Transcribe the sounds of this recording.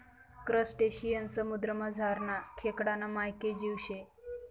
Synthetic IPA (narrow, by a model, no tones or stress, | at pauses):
kɾəsʈeɕijənsəmud̪ɾəmad͡zʱaɾnakʰekɽanamajked͡ʑiwɕe